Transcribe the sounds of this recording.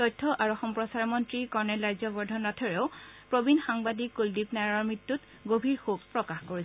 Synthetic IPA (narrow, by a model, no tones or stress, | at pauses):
tɔjtʰːɔʔaɹuɔxɔmpɹɔsaɹɔmɔntɹikɔɹnɛlɹajzɔbɔɹdʱɔnɔtʰɔɹeʊpɹobinxaŋbadikːoldipnaɹɔɹmɹitːut | ɡobʱiɹxub̚pɹɔkaxkoɹi